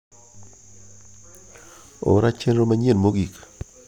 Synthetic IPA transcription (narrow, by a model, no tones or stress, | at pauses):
o̰ɾat͡ʃɛnɾomaɲenmoɡik